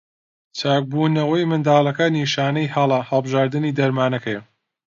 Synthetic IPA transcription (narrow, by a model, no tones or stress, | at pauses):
t͡sʰaːk̚buːnɐwɐjmɨnd̪aːlˠɐkɐniːʃaːnɐjhɐlˠɐhɐlˠbɨʒaːɾd̪ɨniːd̪ɐɾmaːnɐkʰɐjɐ